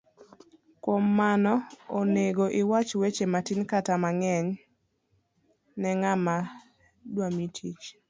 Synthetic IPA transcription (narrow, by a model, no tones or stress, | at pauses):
kwomːanɔoneɡoʔɪwat͡ʃwet͡ʃematinkatamaŋɛɲ | nɛŋama | dwamitʰit͡ʃ